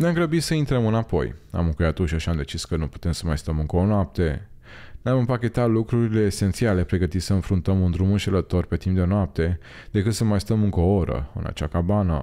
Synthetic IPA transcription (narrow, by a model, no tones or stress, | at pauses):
neamɡɾəbit̪səint̪ɾəmɨnapo̞̰ja̰mɨŋkujat̪oʃaʃiamd̪e̞t͡ʃiskənupu̥t̪e̞msəmajst̪əmɨŋkəonoap̚t̪e̞ | namɨmpakʲe̞t̪at̪lukɾuɾile̞ːse̞nt̪siale̞pɾe̞ɡət̪it̪səɨnfɾunt̪əmɨnd̪ɾumɨnʃelət̪o̞rpe̞t̪imp̚d̪e̞noap̚t̪e̞ | d̪̥e̞kɨt̪səmajst̪əmɨŋkəooɾə̰ɨ̰na̰t͡ʃakabanə̰